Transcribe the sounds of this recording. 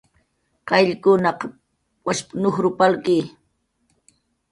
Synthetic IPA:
kajʎkʊnɑq | waʃpnʊχɾʊpalkiː

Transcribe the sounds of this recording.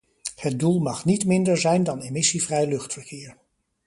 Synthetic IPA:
hət̚dulˠmɑχnitmɪndəɹzɛjndɑnemɪsivrɛjlɵχtfəɹkɪːɹ

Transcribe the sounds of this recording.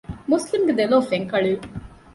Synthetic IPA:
muslimɡed̪eloːfeŋkɐɭu

